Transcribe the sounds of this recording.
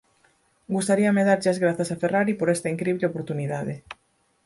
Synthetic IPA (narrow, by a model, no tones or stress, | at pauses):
ɡust̪aɾiameðaɾʎeazɣɾaθasaferaɾipoɾɛst̪aiŋkɾiβleopoɾt̪uniðaðe